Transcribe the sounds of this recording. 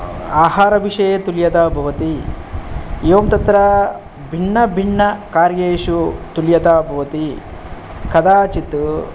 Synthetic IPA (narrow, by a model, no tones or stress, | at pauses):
aːɦaːɾɐʋiʂɐjet̪uljɐd̪aːbʱɐʋɐt̪i | jeːmt̪ɐt̪ɾɐ | bʱiɳːɐbʱiɳːɐkaːɾjeːʃut̪uljɐd̪aːbʱɐʋɐt̪i | kɐd̪aːt͡ʃit̪ːu